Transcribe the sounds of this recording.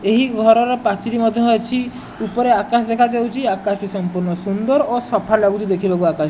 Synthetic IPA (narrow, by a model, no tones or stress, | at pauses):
eɦiɡʱɔɾɔɾɔpat͡ʃiɾimɔd̪ʱjɔɦoet͡ʃʰi | upɔɾeakasd̪ekʰad͡ʒawt͡ʃʰiakasisɔmpuɾnɔsund̪ɔɾosɔpʰalaɡut͡ʃid̪ekʰibakuakaʃ